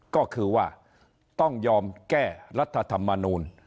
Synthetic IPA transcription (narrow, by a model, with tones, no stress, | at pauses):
kɔː˥˩kʰɯː˧waː˥˩ | t̪ɔ˥˩ŋjɔː˧mkɛː˥˩ɾa˦˥t̪ʰːa˧t̪ʰa˧mːa˧nuː˧n